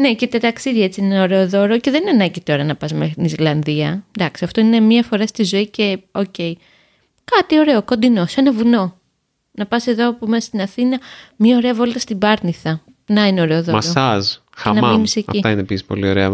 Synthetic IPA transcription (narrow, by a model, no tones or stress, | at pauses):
necet̪ɐt̪ɐksiðie̞t͡siineo̞ɾe̞oðo̞ɾo̞ceðeninɐnɐɟit̪o̞ɾɐnɐpɐsmet̪inislɐnðiɐd̪ɐksiɐft̪o̞ine̞miɐfo̞ɾɐst̪izo̞ice̞o̞ce̞i | kɐt̪io̞ɾe̞okond̪ino̞se̞nɐvuno̞ | nɐpɐse̞ðopomesɐ̥st̪inɐθinɐmɲiɐo̞ɾe̞ɐvo̞lt̪ɐst̪ibɐɾniθɐ | nɐineo̞ɾe̞oðoɐɾɐs | xɐnɐmimisecɐ̰fit̪ɐinepisi̥po̞̰lio̞̰ɾḛɐ̰